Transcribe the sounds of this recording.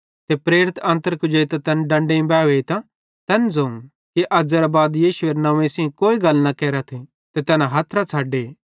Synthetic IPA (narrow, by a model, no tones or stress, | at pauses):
t̪epɾeːɾɪt̪ɐ̃ːnt̪əɾkʊd͡ʒeit̪at̪ɛnɖɐ̃ɳɖeĩbɛːʋeit̪a | t̪ɛnd͡zɐũ | kiʔɐd͡zeɾabaːd̪jiːʃʊeɾnɐʋẽsẽkoːiɡɐlnɐkɛːɾat̪ʰe | t̪et̪ɛːnãɦɐt̪ʰɾat͡sʰaːɖeː